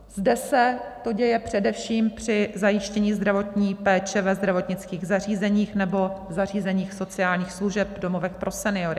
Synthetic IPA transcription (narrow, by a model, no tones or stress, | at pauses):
zdɛsɛt̪o̞ɟɛjɛpr̥ɛdɛfʃiːmpr̝̥ɪzajɪʃcɛɲiːzd̪ɾavo̞t̪ɲiːpɛːt͡ʃɛvɛzd̪ɾavo̞t̪ɲɪt͡skiːɣzar̝iːzɛɲiːxnɛbo̞zar̝iːzɛɲiːxso̞t͡sɪaːlɲiːxsluʒɛp̚do̞mo̞vɛk̚pɾʔo̞sɛnɪo̞ɾɪ